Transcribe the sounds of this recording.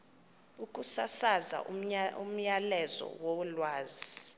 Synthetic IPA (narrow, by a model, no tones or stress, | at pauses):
ukʼusasaza̰um̩ɲalɛzɔ̰wolwaːzi